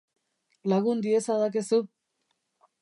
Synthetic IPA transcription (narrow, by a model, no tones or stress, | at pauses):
laɣund̪iesaðak̬esu